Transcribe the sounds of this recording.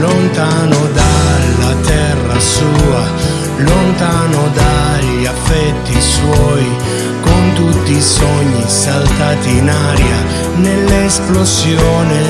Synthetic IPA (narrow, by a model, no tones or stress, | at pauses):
lont̪anod̪alat̪ɛrːasuːa | lont̪aːnod̪aʎ | afːɛt̪ːiswɔj | kont̪ut̪ːisɔɲːisalt̪at̪inaːɾja̰ | nelːesplosjɔːne